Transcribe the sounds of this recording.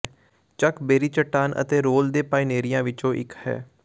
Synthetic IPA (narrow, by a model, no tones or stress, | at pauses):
t͡ʃəkbeːɾiːt͡ʃəʈːaːnʔə̰t̪eːɾoːld̪eːpaːineːɾɪjãːʋɪt͡ʃõːʔɪkhɛ̰ː